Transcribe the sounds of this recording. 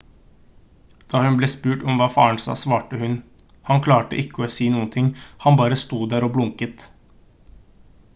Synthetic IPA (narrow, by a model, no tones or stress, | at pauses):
d̪̥ɑːhʉnbleːspʉːʈɔmʋɑːfɑ̰ːəɳsɑ̰ːsʋɑːʈəhʉn | hɑŋkʰlɑːʈə̰ʔɪkːəoːsiːnuːənt̪ʰɪŋhɑnbɑːɾəst̪uːd̪æːɾoːblʊŋkət̪